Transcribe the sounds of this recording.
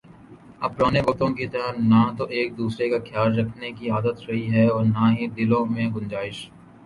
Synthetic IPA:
ɐb̚pɾaːneʋɐk̚t̪õkit̪ɐɦənaːt̪oʔeːk̚d̪uːsɾekaxʰjaːlɾɐkʰnekiaːd̪ət̪ɾɐɦiɦɛɔːɾnaːɦid̪ɪlõmẽɡʊnd͡ʒaːɪʃ

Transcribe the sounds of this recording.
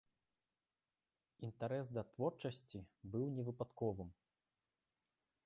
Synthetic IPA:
int̪aɾɛsd̪ɐt̪vɔrt͡ʂɐsʲt͡sʲibɨwnʲɛvɨpat̪kɔvɨm

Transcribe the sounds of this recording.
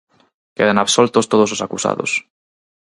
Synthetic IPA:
keðanaβsolt̪ost̪oð̞ososakusa̰ðos

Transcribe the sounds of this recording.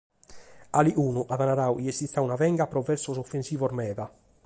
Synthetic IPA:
aliʔuːnuʔaðanaɾawʔiest̪it̪ːaunavɛŋɡapɾɔvɛɾsɔsofːensiːvɔɾmɛːða

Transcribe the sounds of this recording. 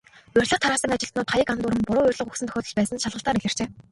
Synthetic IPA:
ʊrʲɮə̆χt̪ʰaɾaːsə̆ŋat͡ɕɪ̆ɬt̪nʊːt̪ʰajə̆kant̪ʊːɾə̆mpʊɾʊːʊrʲɮə̆χɵxsɘ̆nt̪ʰœ̥xʲɔːt̪ɞ̆ɮpæːsə̆nʃaɮʁə̆ɬt̪aːɾiɮɘ̆r̥t͡ɕeː

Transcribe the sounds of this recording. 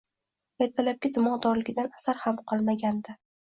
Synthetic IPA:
eɾt̪ʰalap̚kʲɪd̪ʊmɒd̪ɒɾlɪɡʲɪd̪anasaɾhamqʰɒlˠmaɡʲand̪ɪ

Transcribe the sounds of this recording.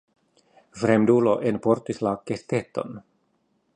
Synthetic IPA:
fɾemd̪uloʔenpoɾt̪islakːest̪et̪ːo̞̰n

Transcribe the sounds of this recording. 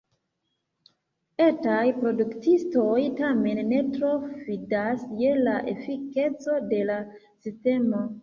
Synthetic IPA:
etajpɾo̞duktisto̞jtame̞nːe̞tɾo̞fidasje̞laʔe̞̰fike̞t͡so̞de̞la | siste̞mo̞

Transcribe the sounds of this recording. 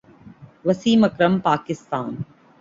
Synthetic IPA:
ʋɐsiːmɐkɾɐmpaːkɪst̪a̰ːn

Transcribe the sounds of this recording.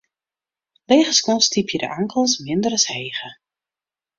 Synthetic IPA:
leːχəskɔstipʰjədə̰ʔaŋkəlˠsmɪndərəsheːχə

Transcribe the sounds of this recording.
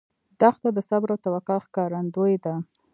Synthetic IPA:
d̪axt̪ad̪əsabɾawt̪awakɑxkɑɾand̪ojd̪a

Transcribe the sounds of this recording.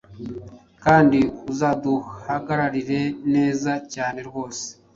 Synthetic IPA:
kaːndiuzaːduhaɡaɾaɾiɾe̞ne̞ːzacaːne̞ɾɡo̞ːse̥

